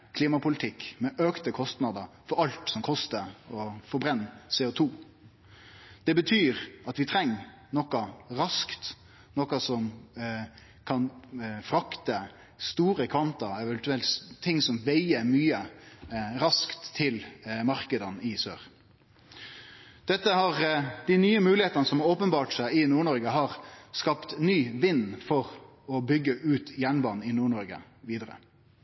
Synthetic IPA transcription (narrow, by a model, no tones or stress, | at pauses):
kʰliːmɑpʰʊlɪt̪ʰɪkːmɛʔøːkt̪əkʰɔst̪nɑd̪əfɔɾɑlt̪sɔmkʰɔst̪əɔfɔɾbɾɛnːsɛʊt̪ʰuː | d̪̥ɛbət̪ʰyːɾɑt̪ʋɪt̪ʰɾɛŋː | nɔkɑɾɑskt̪ | nɔkɑsɔm | kʰɑnfɾɑkt̪ə | st̪uːɾəkʰʋɑnt̪ɑɛʋɛnt̪ʉɛlt̪st̪ʰːɪŋsɔmʋæɪəmyːə | ɾɑskt̪ʰːɪlmɑɾkəd̪ɑnɪsø̰ːʁ | d̪̥ɛt̪ːəhɑʁd̪̥ɪnyːəmʉːlɪeːt̪ɑnəsɔmoːpənbɑːʈsæɪɪnuːɳɔɾɡəɦɑːɾskɑpt̪nyːʋɪnːfɔʁ | ɔbʏɡːəʔʉːt̪jæɳbɑːnɪnuːɳɔɾɡə̰ | ʋiːd̪əɾə̰